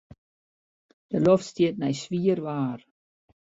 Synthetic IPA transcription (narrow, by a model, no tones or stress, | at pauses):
d̥əlofstiət̚nɛjsʋiərʋaːr